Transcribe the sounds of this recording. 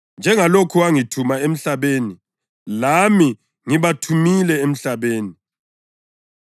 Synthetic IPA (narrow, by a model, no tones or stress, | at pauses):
nd͡ʒʱɛŋalokʰuwaŋitʰumaem̩ɬaβeːni | lami | ŋiβatʰumilɛem̩ɬaβeːni